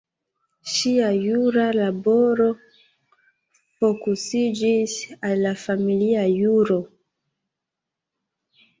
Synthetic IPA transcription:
ʃiajuɾalaboɾo | fokusid͡ʒisalːafamiliajuɾo

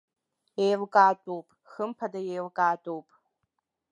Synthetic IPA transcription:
ejlkʼaːtʼowpʼxəmpʰadajejlkʼaːtʼowpʼ

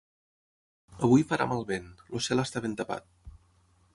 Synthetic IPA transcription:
əβujfəɾʔa̰malˠβenlosɛləst̪aβent̪əpa̰t̪̚

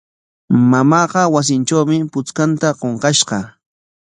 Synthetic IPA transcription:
mamɑːqɑwas̬ɪnʈ͡ʂawmɪpʊt͡skant̪aqoɴqɑʃɢɑ̰

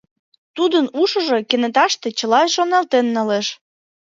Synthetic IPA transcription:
t̪ud̪ənuʃə̆ʒo̽kenĕt̪ɑʃt̪et͡ɕəlɑeʃonɑlt̪enːəleʃ

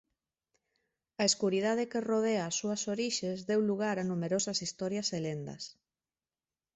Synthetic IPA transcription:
ɐeskuɾiðað̞ɪkeroð̞eaːsːuɐsoɾiʃezðewluɣ̞aɾanumeɾosɐsist̪ɔɾjɐselend̪ɐ̰s

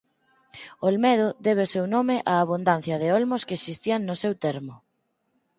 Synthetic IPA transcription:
olmɛð̞ʊðeβ̞eosewnomɪʔaːβ̞und̪an̟θjɐðɪolmʊskeesist̪iaŋnʊsewt̪eɾmʊ

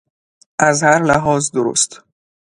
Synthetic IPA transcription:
ʔæzhæɾlæɦɒːzd̪oɾo̰ːst̪

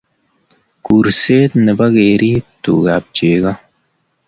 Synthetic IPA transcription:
kuɾseːt̪nəbɐɣeːɾiːt̪ṵːɡaːp̚t͡ʃeːɡɐ

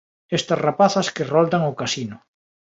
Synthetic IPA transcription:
est̪ɐsrapaθɐskerold̪aŋokasinʊ

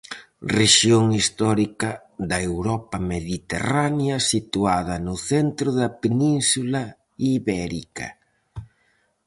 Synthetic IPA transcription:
reʃjoŋist̪ɔɾikɐ | ðɐewɾɔpɐmeðit̪ḛranjɐsit̪uaðɐnʊθent̪ɾʊðɐpenĩnsulɐ | iβɛɾikɐ̰

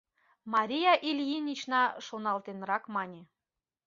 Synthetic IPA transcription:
mɑɾʲijɑʔilʲjinʲit͡ɕnɑʃonɑlˠt̪enrɑkmɑnʲĕ

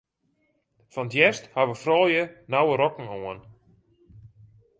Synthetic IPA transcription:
fɔnətjɛsthaʋəfrɔːlˠjənawəɾɔkŋ̩oən

